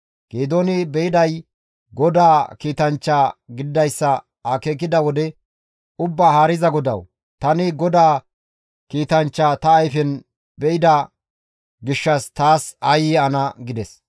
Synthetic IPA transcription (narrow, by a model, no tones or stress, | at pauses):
ɡ̥eːd̪oːnɪbɛɪd̪ɐj | ɡɔd̪aːkiːt̪ɐnt͡ʃːaːɡɪd̪ɪd̪ɐjsːɐ | aːkeːkɪd̪ɐwɔd̪ɛ | ʊbːaːhaːɾɪzɐɡɔd̪ɐ̰w | t̪ɐnɪɡɔd̪aː | kiːt̪ɐnt͡ʃːaːt̪ɐːjfɛn | bɛɪd̪ɐ | ɡɪʃːɐst̪aːsɐjiːɐnɐɡɪd̪ɛs